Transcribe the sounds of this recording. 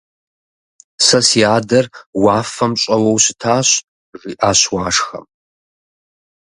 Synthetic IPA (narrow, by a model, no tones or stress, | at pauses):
sɐsiaːdɐrwaːfɐmɕʼɐwɐwsɪtʰaːɕ | ʐiːʔaːɕwaːʂxɐ̰m